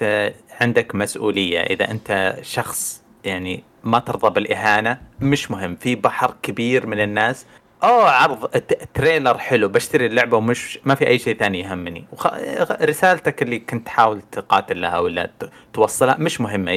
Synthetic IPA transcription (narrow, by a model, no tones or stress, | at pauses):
ʕɪnd̪akmasʔuːlɪjːa̰ʔɪ̰ða̰ʔɪnt̪aʃɑxsˤ | jaʕni | mat̪ɨɾˤðˤɑbɪlʔɪɦaːnamɪʃmʊɦɪmːfibaħɾkabiːɾmɪnɪnːaːs | ʔoːʕɑɾˤðˤt̪ːɾeːlɑɾˤħɪlubaʃt̪aɾilːʊʕbawmɪʃmafiʔajːʃeːθaːnijɦamːnḭwxɾɪsaːlt̪akɪlːikʊnt̪ħaːwɪlt̪qɑːt̪ɪlːahawɪlːa̰ | t̪wɑsˤːɑlhamɪʃmʊɦɪmːa